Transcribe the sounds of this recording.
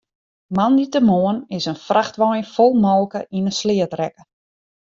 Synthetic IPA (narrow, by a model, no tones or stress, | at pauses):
manditəmoənɪsənfraxtʋɔjnfɔlˠmɔːkəʔinəslɪətrɛkə